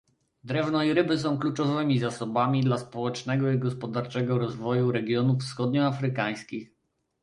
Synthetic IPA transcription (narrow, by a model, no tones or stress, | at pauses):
d̪ɾɛvnɔiɾɘbɘs̬ɔ̃w̃klut͡ʂɔvɘmʲizasɔbamʲid̪laspɔwɛt͡ʂnɛɡɔiɡɔspɔd̪aɾt͡ʂɛɡɔɾɔzvɔjuɾɛɡʲjɔnufsxɔd̪ɲɔafɾɘkaj̃skʲix